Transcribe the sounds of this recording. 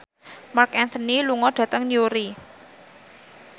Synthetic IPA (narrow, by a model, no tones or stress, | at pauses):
markɛnt̪əniluŋɔɖ̥ä̤t̪əŋɲuɾi